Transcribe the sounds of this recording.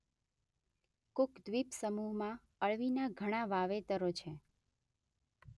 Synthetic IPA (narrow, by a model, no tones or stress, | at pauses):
kʊkd̪ʋipsəmuɦmã | əɭʋinaɡʱəɽ̃ãʋaʋet̪əɾot͡ʃʰe